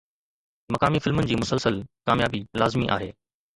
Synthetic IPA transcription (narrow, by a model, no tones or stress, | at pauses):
mɐkaːmifɪlmənɪ̆d͡ʑiːmʊsəlsəlkaːmjaːbilaːzmiʔa̰ːɦeː